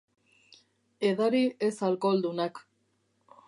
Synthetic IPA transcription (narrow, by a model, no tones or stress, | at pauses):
e̞ðaɾiʔe̞salko̞ld̪unak